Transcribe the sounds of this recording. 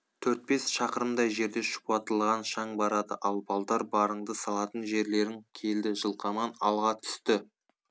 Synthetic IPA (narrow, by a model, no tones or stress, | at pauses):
t̪ʰɵɾt̪̚be̞sʃɑqəɾəmd̪ɑjʒe̞ɾd̪e̞ʃʊ̥pɑt̪əlˠʁɑnʃɑɴbɑɾɑd̪ə̰ʔɑlˠbɑlˠd̪ɑɾbɑɾəɴd̪əsɑlˠɑt̪ənʒe̞ɾle̞ɾɪŋkʲʰe̞ld̪ɪʒəlˠqɑmɑnɑlˠʁɑt̪ʰʏ̥st̪ɪ